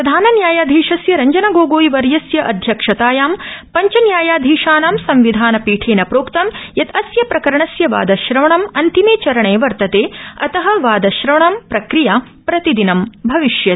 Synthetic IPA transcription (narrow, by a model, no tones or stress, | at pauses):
pɾɐd̪ʱaːnɐnjaːjaːd̪ʱiːʂɐsjɐɾɐɲd͡ʒɐnɐɡoːɡoːjiʋɐɾjɐsjɐʔɐd̪ʱjɐkʂɐt̪aːjaːmpɐɲt͡ʃɐnjaːjaːd̪ʱiːʂaːnaːmsɐmʋid̪ʱaːnɐpiːʈʰeːnɐpɾoːkt̪ɐmjɐt̪ɐsjɐpɾɐkɐɾɐɳɐsjɐʋa̰ːd̪ɐʃɾɐʋɐɳɐmɐnt̪imeːt͡ʃɐɾɐɳeːʋɐɾt̪ɐt̪eːɐt̪ɐɦɐʋaːd̪ɐʃɾɐʋɐɳɐmpɾɐkɾijaː | pɾɐt̪id̪inɐmbʱɐʋiʃjɐ